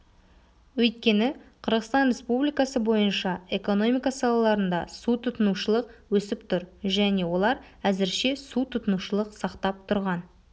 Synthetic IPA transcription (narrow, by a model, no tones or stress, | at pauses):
wɵjt̪̚kʲe̞nɪqʰəɾʁəst̪ɑnrʲe̞spublijkaɑsəbo̞jənʃɑe̞ko̞no̞mʲijkɑsɑlˠɑlˠɑɾənd̪ɑsut̪ʰʊt̪ənuʃəlˠəqwɵsɪpt̪ʰʊɾʒæne̞wo̞lˠɑɾ | æzɪɾʃe̞sut̪ʰʊt̪ənuʃəlˠəqsɑqt̪ɑp̚t̪ʰʊɾʁɑn